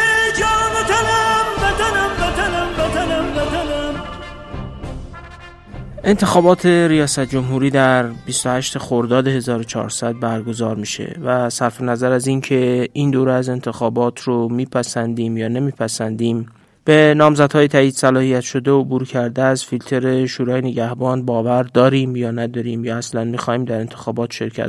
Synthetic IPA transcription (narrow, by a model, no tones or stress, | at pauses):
d͡ʒɒːmet̪ʰanæmbet̪anæmbet̪anæmbet̪ʰanambet̪ʰanæm | ʔe̞nt̪ʰe̞xɒːbɒːt̪ʰe̞ɾijɒːsæt̪̚ʰd͡ʒo̞mɦuːɾiːd̪æɾbist̪ohæʃt̪e̞xoɾd̪ɒːd̪ehe̞zɒːɾot͡ʃʰɒ̰ːɾsæd̪̚bæɾɡo̞zɒːɾmiːʃe̞̰væsæɾfe̞næzæɾæzincʰe̞ind̪oːɾeæze̞nt̪ʰe̞xɒːbɒːt̪ʰɾomiːpʰæsænd̪iːmjɒːnemiːpʰæsænd̪iːm | b̥e̞nɒːmzæd̪̥hɒːjet̪ʰæiːd̪̥sælɒːhijæt̪ʃo̞d̪e̞obuːɾcʰæɾd̪eæzfilt̪ʰe̞ɾe̞ʃoːɾɒːjeneɟæhbɒːnbɒːvæɾd̪ɒːɾiːmjɒːnæd̪ɒɾiːmjɒːæslænmixɒːhiːmd̪æɾe̞nt̪ʰe̞xɒːbɒːt̪ʃe̞ɾcʰæ̰t̪